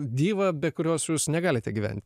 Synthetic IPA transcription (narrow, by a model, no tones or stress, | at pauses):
d̪ʲiːʋɐːbʲɛtkʊɾʲoːsjuːsnʲɛɡɑːlʲɪt̪ʲɛɡʲiʋʲɛ̰nʲt̪ʲ